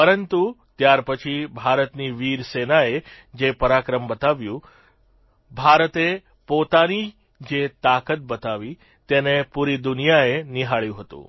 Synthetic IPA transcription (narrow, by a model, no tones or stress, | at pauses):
pəɾənt̪ut̪jaɾpət͡ʃʰibʱaɾət̪niʋiɾsenae | d͡ʒepəɾakɾəmbət̪aʋjũ | bʱaɾət̪e | pot̪ani | d͡ʒet̪akət̪̚bət̪aʋi | t̪enepuɾid̪unijaeniɦaɭjũɦət̪ṵ̃